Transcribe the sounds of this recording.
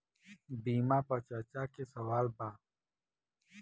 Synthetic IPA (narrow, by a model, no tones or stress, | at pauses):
biːmãːpɐt͡ʃaːt͡ʃaːkesɐwaːlbãː